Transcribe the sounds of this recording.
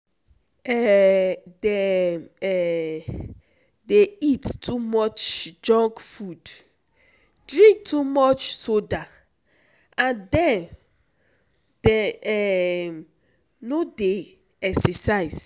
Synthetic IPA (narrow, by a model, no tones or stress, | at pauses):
ɛ | deɛ | deittʰumɔt͡ʃd͡ʒɔ̃ŋkfud | dɹĩŋk̚tʰumɔt͡ʃsoda | ãndɛ̃n | dɛɛ | node | ɛksɛsaɪs